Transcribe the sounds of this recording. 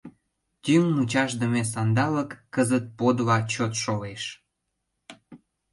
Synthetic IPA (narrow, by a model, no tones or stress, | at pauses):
t̪yŋmut͡ɕɑʃd̪əmes̬ɑnd̪ɑləkːəzət̪̚pod̪lɑt͡ɕot̪ʃoleʃ